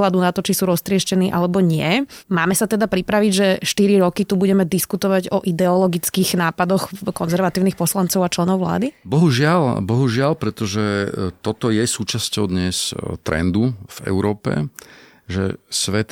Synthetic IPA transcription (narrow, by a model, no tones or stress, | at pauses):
lad̪unat̪ɔt͡ʃisuːɾɔst̪ɾɪɛʃcɛniːʔalɛbɔɲɪɛmaːmɛsat̪ɛd̪apɾipɾaʋiɟʒɛʃt̪iɾiɾɔkit̪ubuɟɛmɛd̪iskut̪ɔʋaɟɔʔid̪ɛɔlɔɡit͡skiɣnaːpad̪ɔxkɔnzɛɾʋat̪iːʊnixpɔslant͡sɔʊat͡ʃlɛnɔʊʋla̰ːd̪ibɔɦuʒɪalbɔɦuʒɪalpɾɛt̪ɔʒɛt̪ɔt̪ɔjɛsuːt͡ʃascɔʊd̪ɲɛst̪ɾɛ̰nd̪uv̥ɛ̰ʊɾɔːpɛ̰ | ʒɛ̰sʋɛt̪